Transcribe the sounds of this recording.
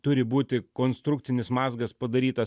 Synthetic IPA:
t̪ʊɾʲɪbuːt̪ʲɪkoːnst̪ɾʊkt̪sʲɪnʲɪsmɑːzɡɐspɐd̪ɐɾʲiːt̪ɐ

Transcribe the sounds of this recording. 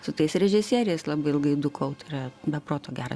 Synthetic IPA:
sʊt̪ɐɪsɾʲɛʒʲɪsʲiːɾʲɪɛɪslˠɑbɐɪɪlˠɡɐɪd̪ʊkʰɐʊt̪ɐɪɾɐbʲɛpɾoːt̪oːɡʲæːɾɐ̰

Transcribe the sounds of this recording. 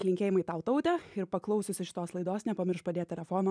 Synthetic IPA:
lʲɪŋʲkʲeːjɪmɐɪt̪ɐʊt̪ɐʊt̪ʲɛɪɾpɐklˠɐʊsʲʊsʲɪʃʲɪ̥t̪oːslˠɐɪd̪oːsnʲɛpɐmʲɪɾʃpɐd̪ʲeːt̪ʲɛlʲɛfoːnɐ

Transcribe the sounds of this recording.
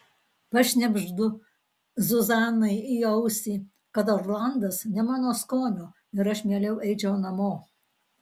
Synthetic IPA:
pɐʃʲnʲɛbʲʒd̪ʊ | zʊzɑːnɐɪiɐʊsʲiː | kɐt̪oːɾlˠɐnd̪ɐsnʲɛmɑːnoːskoːnʲoː | ɪɾɐʃmʲeːlʲɛʊɛɪt͡ʃʲɛʊnɐmoː

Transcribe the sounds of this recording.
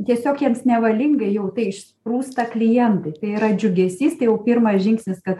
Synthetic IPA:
t̪ʲiɛsʲoːkjiɛmsnʲɛʋɐlʲɪŋɡɐɪjɛʊt̪ɐɪɪʃʲsʲɪpruːst̪ɐklʲɪjɛnt̪ɐɪt̪ɐɪɪɾɐd͡ʒʲʊɡʲɛsʲiːst̪ɐɪjɛʊpʲɪrmɐsʒʲɪŋksʲnʲɪskɐt̪

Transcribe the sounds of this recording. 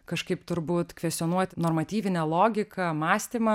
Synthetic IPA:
kɐʃkɐɪpt̪ʊɾbuːt̪kʋʲɛsʲt̪ʲonuɔt̪ʲnoːrmɐt̪ʲiːʋʲɪnʲɛlˠoːɡʲɪkɐmɑːsʲt̪ʲiːmɐ

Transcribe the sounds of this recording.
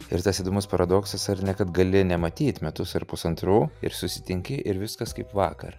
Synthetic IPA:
ɪɾt̪ɐsiːd̪omʊspɐɾɐd̪oːksɐsɐɾnʲɛkɐt̪ɡɐlʲɪnʲɛmɐt̪ʲiːt̪mʲɛt̪ʊsɐɾpʊsɐnt̪ɾuːɪ̰ɾsʊsʲɪ̥t̪ʲɪŋʲkʲɪʔɪɾʋʲɪskɐskɐɪpʋɑːkɐ̰r

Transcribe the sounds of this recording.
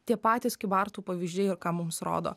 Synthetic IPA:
t̪ʲiɛpɑːt̪ʲɪskʲɪbɑːɾt̪uːpɐʋʲiʒʲd͡ʒʲeːjɪɾkɑːmʊmsɾo̰ːd̪o̰ː

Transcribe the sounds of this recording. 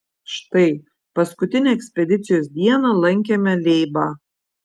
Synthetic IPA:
ʃt̪ɐɪ | pɐskʊt̪ʲɪnʲeɛksʲpʲɛd̪ʲɪt̪sʲɪjoːsd̪ʲiɛnɐlˠɐŋʲkʲemʲɛlʲɛɪbɑː

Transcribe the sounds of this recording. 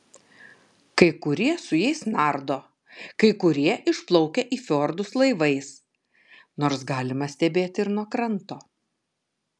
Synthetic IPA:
kɐɪkʊɾʲiɛsʊjɛɪsnɑːɾd̪oː | kɐɪkʊɾʲiɛʔɪʃplˠɔʊkʲɛʔiːfʲoːɾd̪ʊslˠɐɪʋɐɪs | noːɾsɡɑːlʲɪmɐsʲt̪ʲɛbʲeːt̪ʲɪɾnuɔkɾɐnt̪oː

